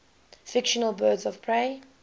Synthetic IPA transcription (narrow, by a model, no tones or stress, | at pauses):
fɪkʃənəlˠbɜːdzɔv̥pʰɹeː